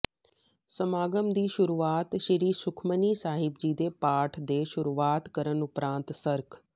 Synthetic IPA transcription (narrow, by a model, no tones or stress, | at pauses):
sɐmaːɡəmd̪iːʃʊɾuːaːt̪ʃɐɾiːsʊkʰmənisaːɦɪb̚d͡ʑiːd̪epaːʈʰd̪eːʃʊɾuːaːt̪kɐɾənʊpɾãːnt̪sɐɾkʰ